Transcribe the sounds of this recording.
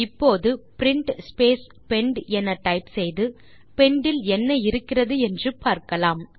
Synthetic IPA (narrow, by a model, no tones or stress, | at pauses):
ɪpːoːðɯpɪɾɪɳʈspeːs | pɛɳɖɛnɐʈːɐɪpsɛjðɯ | pɛɳɖɪlɛnːɐjɪɾɯkːɪrɐðɯɛndrɯpaːɾkɐlaːm